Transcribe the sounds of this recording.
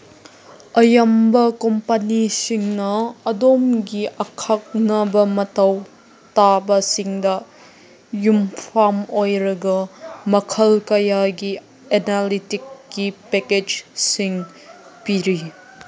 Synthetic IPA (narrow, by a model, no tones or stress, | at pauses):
ɐjɐmbɐkompɐnisiŋnɐɐdomɡiʔɐkʰak̚nɐbɐmɐtɐw | tabɐsiŋdɐ | jumpʰamojɾɐɡɐmɐkʰɐlkɐjaɡi | enalitikːipeked͡ʒsiŋ | piɾi